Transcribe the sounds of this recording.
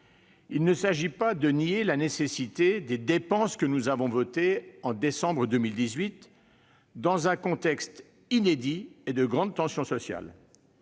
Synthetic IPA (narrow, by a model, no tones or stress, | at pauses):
ilnəsaʒipad̪ənielanesesit̪ed̪ed̪epɑ̃skənuzavɔ̃vɔt̪eɑ̃d̪esɑ̃bʁəd̪ømild̪izɥit̪ | d̪ɑ̃zɛ̃kɔ̃t̪ɛkst̪ | ined̪ied̪əɡʁɑ̃d̪̚t̪ɑ̃sjɔ̃sɔsja̰l